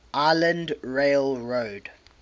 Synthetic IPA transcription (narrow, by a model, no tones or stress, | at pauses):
ʔaɪlə̃ndɹeɪlɹoːd